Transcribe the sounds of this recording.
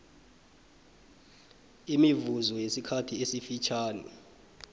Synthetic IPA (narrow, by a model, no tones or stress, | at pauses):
imivuzɔjesikʰatʰiesifit͡ʃʰaːnḭ